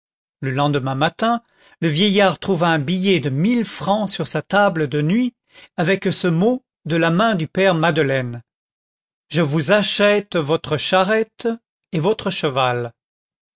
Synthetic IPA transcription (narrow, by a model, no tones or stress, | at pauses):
ləlɑ̃d̪əmɛ̃mat̪ɛ̃ | ləvjɛjaʁt̪χuvaɛ̃bijɛd̪əmilfχɑ̃syʁsat̪abləd̪ənɥi | avɛksəmo | d̪əlamɛ̃d̪ypɛʁmad̪əlɛn | ʒəvuzaʃɛt̪vɔt̪χəʃaʁɛt̪ | evɔt̪χəʃəval